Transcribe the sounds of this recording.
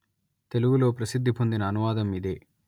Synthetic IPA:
t̪e̞luɡulo̞ːpɾɐsid̪ʱːipond̪inɐːnuʋaːd̪ɐmid̪e̞ː

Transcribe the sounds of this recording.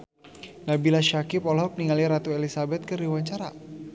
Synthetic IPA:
nahbilaʃakipɔlɔpəniŋaliɾat̪uelisabɛt̪̚kəɾiwaɲt͡ʃaɾa

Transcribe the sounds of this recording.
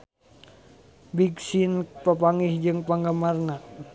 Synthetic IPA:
biksinpəpaŋihd͡ʒɨŋpaŋɡamarna

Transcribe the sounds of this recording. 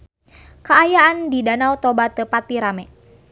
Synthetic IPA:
kəajaandidanawt̪ɔbat̪ːəpat̪iɾamɛ

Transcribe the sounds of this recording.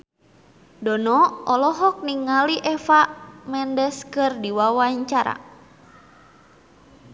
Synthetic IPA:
dɔnɔɔlɔɦɔk̚niŋaliʔɛfamɛndɛskɨrdiwawaɲt͡ʃaɾa̰

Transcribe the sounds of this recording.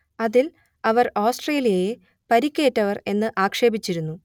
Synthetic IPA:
ɐðil | ɐʋɐroːsʈre̞ːlijɐje | pɐɾikʲːe̞ːtːɐʋɐre̞nːɨʔaːkʂe̞ːbit͡ɕːiɾunːu

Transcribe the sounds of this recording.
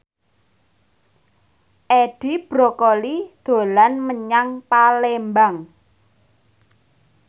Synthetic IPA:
ʔeɖ̥i̤b̥ɾokɔlid̪̥o̤lanməɲaŋpalembaŋ

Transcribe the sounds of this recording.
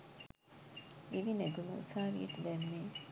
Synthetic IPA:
iʋineɡunṵsaːɾḭt̪ud̪emːeː

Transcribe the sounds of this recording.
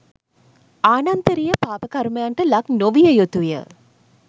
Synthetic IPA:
aːnɐnt̪əɾijɐpaːpɐkɐɾmɐjaɳʈɐlɐknoʋijɐjot̪ujə̰

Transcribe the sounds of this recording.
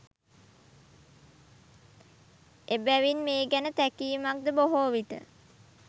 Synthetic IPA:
ʔebæʋinmeːɡænət̪ækiːmak̚d̪əboɦoːʋit̪ə̰

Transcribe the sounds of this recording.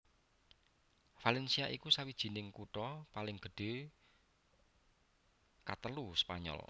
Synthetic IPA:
falɛnsiaʔikusawid̥ʒ̥i̤nɪŋkuʈɔpalɪŋɡ̥ə̤ɖ̥e̤ | kat̪əluspa̰ɲɔ̰l

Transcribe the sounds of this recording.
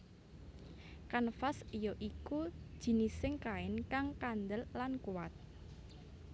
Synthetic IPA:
kanfasijɔʔikud̥ʒ̥i̤nisɪŋkaɪnkaŋkand̪əllankuwat̪̚

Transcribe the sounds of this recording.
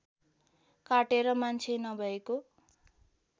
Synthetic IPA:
kaʈeɾʌmant͡sʰenʌbʱʌeko

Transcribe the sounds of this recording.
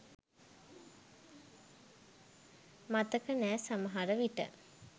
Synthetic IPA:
mat̪əkənæːsaməɦaɾəʋiʈə̰

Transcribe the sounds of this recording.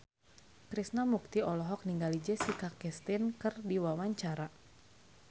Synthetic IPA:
kɾisnamuk̚t̪iɔlɔɦɔk̚niŋɡalid͡ʒɛsikakɛst̪inkɨrdiwawaɲt͡ʃaɾa

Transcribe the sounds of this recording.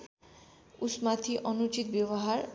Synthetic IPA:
usmat̪ʰiʔɔnut͡ʃit̪bjeβɔɦaɾ

